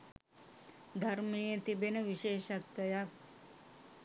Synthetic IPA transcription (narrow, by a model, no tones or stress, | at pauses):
d̪ʱaɾməjet̪ibenəʋiʃeːʃat̪ʋəjak